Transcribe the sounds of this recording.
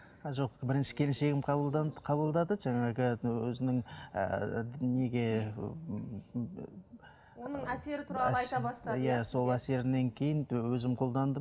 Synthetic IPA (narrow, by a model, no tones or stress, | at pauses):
ʒo̞qbɪɾɪnʃɪ̥kʲʰe̞lɪnʃe̞ɡʲɪmqʰɑb̪ˠd̪qʰɑbəlˠd̪ɑd̪əʒɑɴɑʁəwɵzɪnɪŋə̰ne̞ɡʲe̞ | wonəɴæse̞ɾɪt̪ʰʊɾɑlˠəɑjt̪ɑɑst̪ɑæso̞lˠæse̞ɾɪne̞ŋkʲʰe̞jɪnwɵzɪmqʰo̞lˠd̪ɑnd̪ə